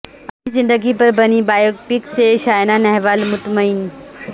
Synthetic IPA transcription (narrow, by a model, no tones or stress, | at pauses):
ɐːizɪ̃nd̪əɡipɐɾbɐnibaːjokpikseʃaːjnanɐɦʋaːlmʊt̪məɪn